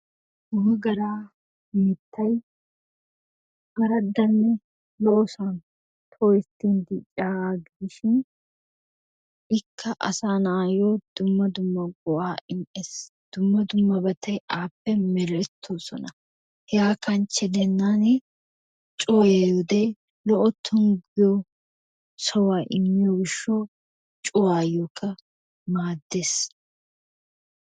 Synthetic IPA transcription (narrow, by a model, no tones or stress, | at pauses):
ʊhɐɡɐɾaː | mɪt̪ːɐj | ʔɐɾɐd̪ːɐnːɛ | loːsan | t̪ʰoːjɪt̪ːiːnd̪iːt͡ʃʼːaːɡɪɪʃɪn | ʔɪkʰːɐʔɐ̰saːnaːjoːd̪̥ʊmːɐd̪ʊmːɐɡʊʔaːʔɪnes | d̪̥ʊmːɐd̪ʊmːɐbɐt̪ʰɐjʔaːpːɛmɛɾɛt̪ʰːoːsɔ̰nɐ | hɛjaːkɐnt͡ʃːɛd̪ɛnːaːnɛ | t͡ʃʼoːjeʊd̪eː | lɔʔɔt̪ʰːʊŋɡɪjo | sɔwaːʔɪmːɪjɔɡɪʃːoː | t͡ʃʼʊwaːjoːkʰːɐ | maːd̪ːeːs